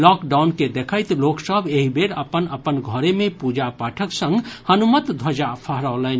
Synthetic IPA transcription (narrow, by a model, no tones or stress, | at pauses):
lɔːkɖaʊnked̪ekʰəjt̪loksəbʱeɦibʱeɾəpənəpənɡʱɔɾemẽpud͡ʒapaːʈʰəksə̃ŋɡhənumət̪d̪ʱəd͡ʒapʰəɦɾəʊlən